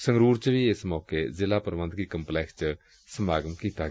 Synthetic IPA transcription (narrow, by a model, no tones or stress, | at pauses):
sɐŋɡɾuːɾt͡ʃəʋiesəmɔːkezilapɐɾʋənd̪ʱkikɐmplekst͡ʃə | sɐmaːɡɐmkit̪aɡ